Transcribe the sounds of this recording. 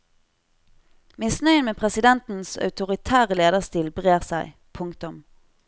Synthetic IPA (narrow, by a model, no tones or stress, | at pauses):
mɪsnœʏnmeːpʰʁɛsɪd̪ɛnt̪n̩sɑ̰ʉt̪ʊʁɪt̪ʰæːʁəleːd̪əʁst̪iːlbʁeːʁsæɪ | pʰʊŋkt̪ʊm